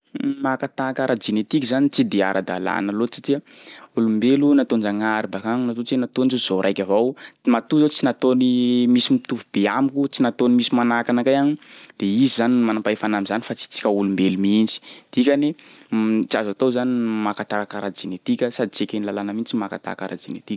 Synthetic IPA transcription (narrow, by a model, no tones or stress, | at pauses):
makat̪akaɾad͡ʒinet̪ikʲizanit͡sid̪ea̰ɾʔa̰d̪a̰la̰nəlot͡si̥ti | ulumbelunat̪ond͡ʒaŋaɾibakaŋnat̪ot͡senat̪onzozoɾajkʲavowmat̪uzot͡sinat̪onimisimit̪uvub̥eamikut͡sinat̪onimisimanakanakajanid̪̥eizizanimanampaefanamizanifat͡si̥t͡si̥kʲəulumbelumind͡ʒi̥d̪̥ikʲani | t͡ʃiazat̪owzanimakat̪aɾakaɾad͡ʒinet̪ikʲəsad̪it͡sekenilalanəmint͡simaka̰t̪a̰ka̰ɾa̰d͡ʒinet̪iki̥